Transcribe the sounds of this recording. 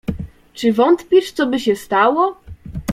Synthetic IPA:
t͡ʂɘvɔnt̪pʲiʂt̪sɔbɘɕɛst̪awɔ

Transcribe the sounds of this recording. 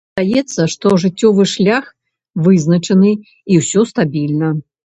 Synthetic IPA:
d̪ajɛt̪sːɐʂt̪ɔʐɨtt͡sʲːɔvɨʂlʲax | vɨznɐt͡ʂɐnɨ | iwsʲɔst̪abʲilʲnɐ

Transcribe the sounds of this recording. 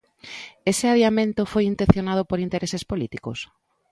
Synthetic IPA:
esɪaðjamẽnt̪ofojint̪ẽθjonað̞opoɾint̪eɾʔesespolit̪ikos

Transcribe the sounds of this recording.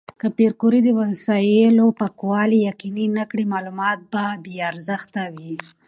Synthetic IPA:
kapeɾkuɾid̪əwansɑjelopakwɑlijaqininakɽimɑlumɑt̪̚babeaɾzaxt̪awi

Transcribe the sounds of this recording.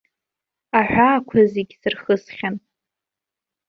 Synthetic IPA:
aħᶣʷaːkʷʰazeɡʲsɨrχəsχʲan

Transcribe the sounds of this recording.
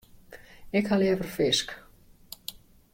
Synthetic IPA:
ɪkhaljɛːvərfɪsk

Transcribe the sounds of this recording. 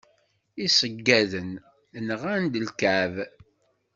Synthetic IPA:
isəɡːæðən | nəʁænd̪əlkæʕv

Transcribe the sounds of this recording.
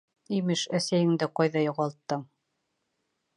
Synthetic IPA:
imɘʃæsæjɘ̆ŋd̪ɘqɑjðɑjŏʁɑlˠt̪ːɤɴ

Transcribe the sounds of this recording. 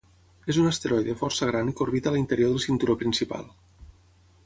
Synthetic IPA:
ezunəst̪eɾɔjðəfɔrsəɣ̞ɾanikoɾβit̪əlint̪əɾjoðəlˠsint̪uɾopɾinsipa̰lˠ

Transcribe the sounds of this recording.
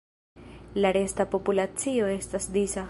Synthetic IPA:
laɾe̞stapo̞pulat͡sio̞e̞stasdisa

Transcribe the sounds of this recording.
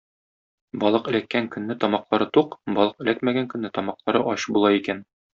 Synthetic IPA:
bɒlˠɤqɘ̆lækːæŋkɵ̆nːɘt̪ɒmɑqlˠɑɾɤt̪uqbɒlˠɤqɘ̆lækmæɡæŋkɵ̆nːɘt̪ɒmɑqlˠɑɾɤʔɒɕbulˠɑikæn

